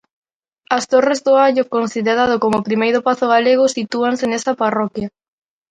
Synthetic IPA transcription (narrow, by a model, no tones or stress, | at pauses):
ɐst̪orezðʊaʎokonsiðeɾað̞okomʊpɾimejɾʊpaθoɣ̞aleɣ̞ʊsit̪uansenesɐparɔkjɐ